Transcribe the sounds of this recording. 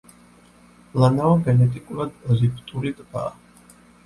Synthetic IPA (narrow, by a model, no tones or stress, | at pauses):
lanaɔɡɛnɛt̪ʼikʼulad̪̚pʼɔzipʰʼt̪ʼuɾit̪ʼba̰ː